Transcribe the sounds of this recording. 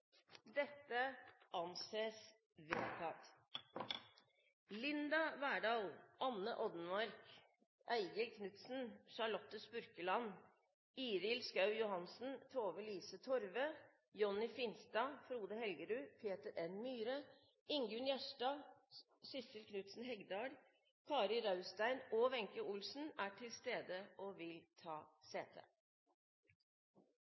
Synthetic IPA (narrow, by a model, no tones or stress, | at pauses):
d̪ɛt̪ːəʔɑnseːs | ʋɪst̪ʰɑːt̪ | lɪnd̪ɑʋæːɖɑːlʔɑnːəʔɔd̪n̩mɑɾk | ʔæɪɡəlkʰnʉt̪sn̩ʃɑɭɔt̪ːəspʉɾkəlɑn | iːɾɪlskɑʉjʊhɑnsn̩t̪ʰoːʋəliːsət̪ʰɔɾʋə | jɔnɪfɪnst̪ɑfɾuːd̪əhɛlɡəɾʉːpʰeːt̪əɾɛnmyːɾə | ɪŋɡʉnjæʂʈɑː | sɪsəlkʰnʉt̪sn̩ɦɛɡd̪ɑːɖ | kʰɑːɾɪɾɑʉst̪æɪnoːʋɛŋkəʊlsn̩æːʈʰɪlst̪eːd̪əoːʋɪlt̪ʰɑːseːt̪ʰḛː